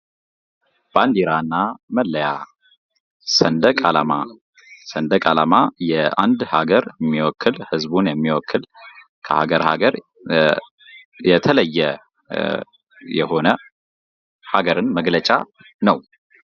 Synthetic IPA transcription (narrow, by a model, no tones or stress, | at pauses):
b̥and̪iɾanːaməlːəja | sənd̪əkʼalama | sənd̪əkʼalamajɛand̪haɡəɾjmːiwɔkʰːɨlhɨzbunjɛmːiwɔkʰːɨl | kʰəha̰ɡəɾha̰ɡəɾ | jɛt̪ʰələjːɛ | jɛ̰ho̞nə | haɡəɾɨnməɡlət͡ʃʼa̰ | nəw